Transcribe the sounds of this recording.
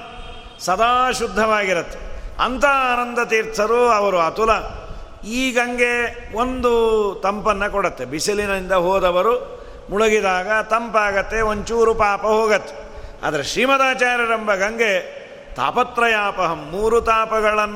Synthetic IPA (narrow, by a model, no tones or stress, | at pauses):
sɐd̪aːʃud̪ʱːɐʋaːɡiɾɐt̪ːe̥ɐ̰nt̪ɐaːnɐnd̪ɐt̪iːɾt̪ʰːɐɾuɐʋɐɾuɐt̪ulɐ | iːɡɐŋɡe̞ | ond̪ut̪ɐmpɐnːɐkɔɽɐt̪ːebisilinɐind̪ɐɦoːd̪ɐʋɐɾu | muɭɐɡid̪aːɡɐt̪ɐmpaːɡɐt̪ːe̞oɲt͡ʃuːɾupaːpɐɦoːɡɐt̪ːe̥ | ɐ̰d̪ɐɾeʃɾiːmɐd̪aːt͡ʃaːɾjɐɾɐmbɐɡɐŋɡe | t̪a̰ːpɐt̪ɾɐjaːpɐɦɐmːuːɾut̪aːpɐɡɐɭɐnː